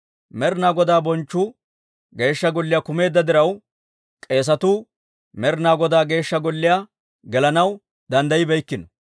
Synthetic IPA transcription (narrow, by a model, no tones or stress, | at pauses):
mɛɾnaːɡɔd̪aːbɔnt͡ʃːuː | ɡe̞ːʃːɐɡɔlːɪjakʊme̞ːd̪ːɐd̪ɪɾɐw | kʼe̞ːs̬ɐt̪uː | mɛɾnaːɡɔd̪aːɡe̞ːʃːɐɡɔlːɪjaː | ɡɛlɐnɐw | d̪ɐnd̪ɐjɪbɛjkːɪnɔ